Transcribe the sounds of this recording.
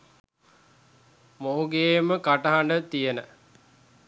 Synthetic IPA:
moɦuɡeːməkaʈɐɦaɳɖət̪ijənə

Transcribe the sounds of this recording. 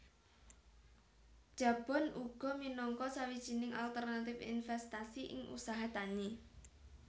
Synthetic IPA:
d̥ʒ̥a̤b̥ɔ̤nʔuɡ̥ɔ̤minɔŋkɔsawid̥ʒ̥i̤nɪŋʔalt̪ərnat̪ɪfḭnfɛst̪asiʔɪ̰ŋʔṵsaɦat̪ani

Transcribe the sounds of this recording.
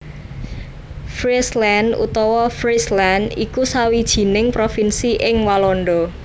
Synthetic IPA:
fɾislanṵt̪ɔwɔfɾislanikusawid̥ʒ̥i̤nɪŋpɾofinsiʔɪŋwalɔnɖɔ

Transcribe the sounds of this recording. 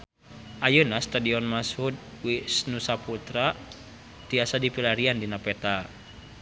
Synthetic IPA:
ʔajunahst̪adiɔnmashud̪̚ | wisnusaput̪ɾa | t̪iasadipilaɾiandinapɛt̪a

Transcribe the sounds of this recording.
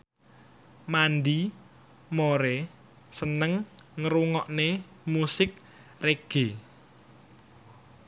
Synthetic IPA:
mand̪i | moɾɛ | sənəŋŋəɾuŋɔʔne | musɪk̚ | reɡ̥e

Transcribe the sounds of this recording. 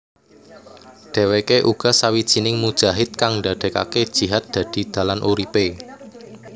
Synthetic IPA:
ɖ̪̥e̤wekeʔuɡ̥ɔ̤sawid̥ʒ̥i̤nɪŋmud̥ʒ̥a̤ɦɪt̪̚kaŋɖa̤ɖ̪̥ɛ̤ka̰ked̥ʒ̥i̤ɦat̪̚d̪̥ä̤d̪̥i̤d̪̥ä̤lanʔuɾipe

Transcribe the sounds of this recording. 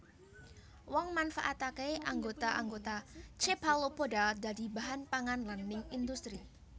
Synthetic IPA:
wɔŋmanfaʔat̪akeʔaŋɡot̪aʔaŋɡot̪at͡ʃepalopodadadibaɦanpaŋanlanːɪŋind̪ust̪ɾi

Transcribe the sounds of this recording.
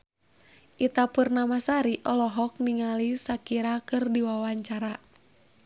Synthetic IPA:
ʔit̪apurnamasaɾiʔɔlɔɦɔk̚niŋalisakiɾakɨrdiwawaɲt͡ʃaɾa

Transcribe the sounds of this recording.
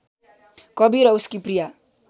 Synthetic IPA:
kʌbiɾʌuskiprija

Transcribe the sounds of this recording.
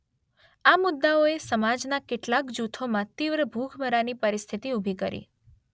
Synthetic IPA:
amʊd̪ːaoesəmad͡ʒnakeʈlakd͡ʒut̪ʰomãt̪iʋɾəbʱuɡʰʱməɾanipəɾist̪ʰit̪iubʱikəɾḭ

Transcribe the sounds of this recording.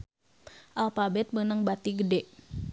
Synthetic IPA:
ʔalfabɛt̪̚mənəŋbat̪iɡədɛʔ

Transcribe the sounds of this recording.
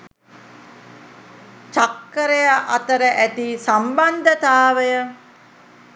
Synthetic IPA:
t͡ʃakːəɾejaʔat̪əɾəʔæt̪isamband̪ət̪aːʋəjə

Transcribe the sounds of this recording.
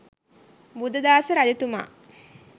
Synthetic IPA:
bud̪ɐd̪aːsəɾad̪et̪uma̰ː

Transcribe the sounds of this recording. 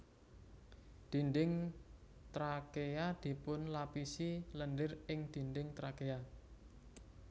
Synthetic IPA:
d̪̥i̤ndɪŋ | t̪ɾakead̪̥i̤pʊnlapisilənɖɪrɪŋd̪̥i̤nɖɪŋt̪ɾakea

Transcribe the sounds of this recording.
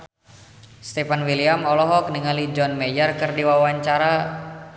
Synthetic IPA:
st̪ɛfanwiliamɔlɔɦɔk̚niŋalid͡ʒɔnmɛjərkɨrdiwawaɲt͡ʃaɾa

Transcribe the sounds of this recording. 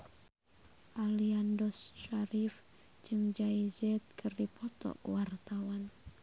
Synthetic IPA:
ʔaliandɔsʃaɾif | d͡ʒɨŋd͡ʒaid͡ʒɛt̪̚kʰɨrdipʰɔt̪ɔ̰ʔwart̪awan

